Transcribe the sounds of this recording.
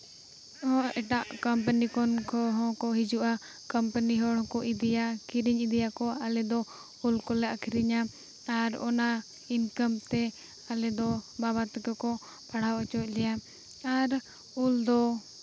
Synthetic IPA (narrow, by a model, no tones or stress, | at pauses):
ɔ̃ʔɛʈaʔkəmpənikɔnkɔɦɔ̃kɔɦid͡ʒuʔa | kəmpəniɦɔɽɔ̃kɔʔid̪ɛjakiɾiɲid̪ɛjakɔalɛd̪ɔ | ulkɔlɛakʰiɾiɲaː | ɾɔ̰na | inkəmt̪ɛ | alɛd̪ɔbaβat̪kɔkɔ | paɽ̤awɔt͡ʃɔʔ̚lɛja | aɾ | uld̪ɔ